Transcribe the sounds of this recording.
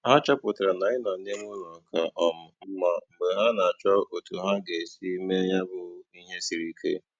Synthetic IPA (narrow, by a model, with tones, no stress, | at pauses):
ha˦t͡ʃɔ˦pʊ˨ta˨ɾa˨na˨ɪ˦nɔ˨˦ne˦m˦u˦nɔ˨kʰa˨ʔɔ˨mʊ˨m̩˦ma˨m̩˨ɡ͡be˨ɦa˦na˨a˨t͡ʃɔ˦ʔo˨tu˨ɦa˦ɡe˨si˦me˦ja˦bʊ˦ni˦ɦe˦si˨ɾi˦kʰḛ˦